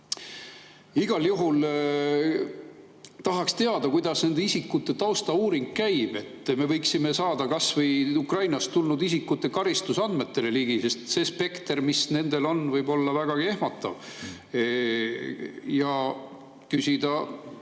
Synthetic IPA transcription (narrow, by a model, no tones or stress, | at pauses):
iɡ̥ɑljuɦul | t̪ɑɦɑkst̪e̞ɑd̪ɑkujd̪̥ɑsne̞nd̪eisikːˑut̪ːˑe̞t̪ɑwst̪ɑuːɾiŋɡkæjb̥e̞t̪ːˑme̞vɤjksime̞sɑːd̪̥ɑkɑsvɤjukrɑjnɑst̪ulnud̪isikːˑut̪ːˑe̞kɑɾist̪usɑnd̪me̞t̪ːe̞le̞liːɡ̥ise̞st̪se̞spe̞kt̪ermisne̞nd̪̥e̞lo̞nvɤjbo̞lːɑvæɡ̥ɑɡ̥iehmɑt̪ːˑɑ̰v | jɑ | kysʲid̪̥ɑ